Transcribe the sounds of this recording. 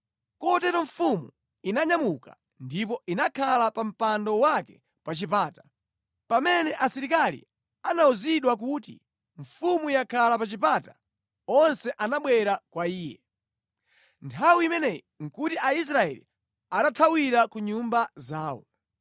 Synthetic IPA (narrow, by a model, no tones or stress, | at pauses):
kɔtɛtɔɱfumṵ | inaɲamuka | ndip̬ɔʔinakʰalapam̩pandɔwakɛ | pat͡ʃipaːtḁ | pamɛnɛʔasiɾikalḭ | anauziɗwak̬utḭ | ɱ̩fumujakʰalapat͡ʃipaːta | ɔnsɛʔanaɓwɛɾakwaiːjɛ̰ | ntʰawiimɛnɛj | ŋ̩kutiʔais̬ɾaɛ̰lḭ | aɗatʰawiɾakuɲumbazaːwɔ̰